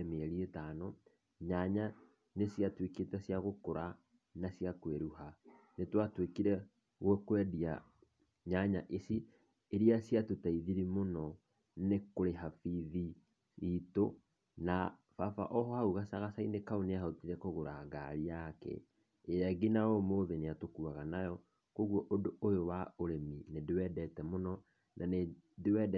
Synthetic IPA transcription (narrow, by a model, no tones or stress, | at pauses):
meɾietaːnɔ | ɲaɲa | nesjatweketasjaɣokoɾa | nasiakweɾuha | netwatwekiɾɛ | ɣwɛkwɛdia | ɲaɲaʔesi | eɾiasjatotaiðiɾimonɔ | nekoɾeɦafiði | ito | nafafa̰ʔɔɦɔhauɣasaɣasainekaoneaɦautiɾɛkoɣoɾaɡaɾiakɛ̰ | eɾaɡinaomoðeneatokuaɣanajɔ | koɣwɔʔodoojowaoɾeminedewɛdɛtɛmonɔ | nʔanedewɛd